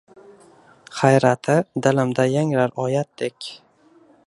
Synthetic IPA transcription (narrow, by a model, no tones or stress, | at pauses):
χajɾat̪ʰɪd̪ɪlɪmd̪ajaŋɾaɾɒjat̪̚d̪ekʲ